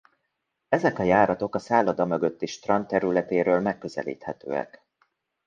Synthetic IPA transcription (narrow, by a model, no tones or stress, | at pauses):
ɛzɛkɒjaːɾɒt̪o̞kɒsaːlɒd̪ɒmø̞ɡøt̪ːiʃt̪rɒnt̪ːɛɾylɛt̪eːɾøːlmɛkːø̞zɛ̰lḭːt̪hɛt̪ø̰ːɛ̰k